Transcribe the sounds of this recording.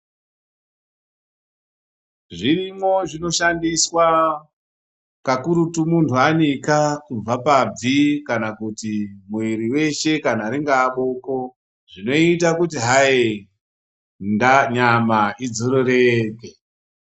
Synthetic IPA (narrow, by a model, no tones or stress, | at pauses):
ʐirimo̞ʐino̞ʃandiswa | kakuɾutumuntʰuanikakub͡vapab͡vikanakutimuwiɾiwe̞ʃe̞kanaɾiŋɡaɓoko̞ | ʐino̞itakutiɦae | ndaɲamaid͡zoɾoɾeːke